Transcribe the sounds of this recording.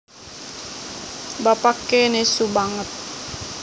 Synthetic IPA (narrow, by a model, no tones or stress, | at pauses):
bapakenesubaŋət̪̚